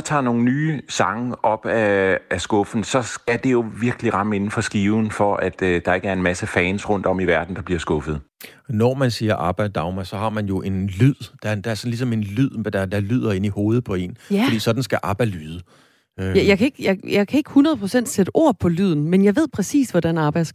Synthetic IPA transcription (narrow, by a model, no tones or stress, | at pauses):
t͡sʰɑ̰̈ːno̝ːŋn̩nyːsɑ̈ŋəɒ̽b̥ææsɡ̥ɔ̽fn̩sɒ̽sɡ̥æd̥e̝jo̝ʋiɐɡ̥əliʁɑ̈məe̝nn̩fɒ̽sɡ̥iːʊn̩fɒ̽ʔæd̥d̥ɑ̈e̝ɡ̥æɐe̝nmæsəfɛːnsʁɔ̽n̰d̥ɒ̽miʋæɐd̥n̩d̥ɑ̈b̥liɐsɡ̥ɔ̽fð̞̩ˠ | nɒmænsiːɐʔɑ̈b̥d̥d̥ɑ̈ʊmæsɒ̽hɑ̈mænjo̝ʔe̝nlyð̰ˠd̥ɑd̥ɑ̈æɐsɒ̽n̩lis̬ɒ̽me̝nlyð̰ˠmd̥ɑd̥ɑ̈lyð̰ˠɐe̝niho̝ːð̞̩ˠpʰɒ̽e̝̰ːnffd̥ḭːsɒ̽d̥n̩sɡ̥æʔɑ̈ːb̥ɑ̈ɪ̰̥lyːðˠə | jɑ̈ɪkʰe̝ɡ̥jɑ̈ɪjɑ̈ɪkʰæe̝ɡ̥əhunʁɐðˠpʰʁosen̰d̥sed̥əʔo̝̰ɐ̰pʰɒ̽lyð̞̰ˠn̩menjɑ̈ɪʋe̝ð̞̰ˠpʰʁɛsḭːsʋɒd̥ænɑ̈ːb̥ɑ̈ɪ̰d̥s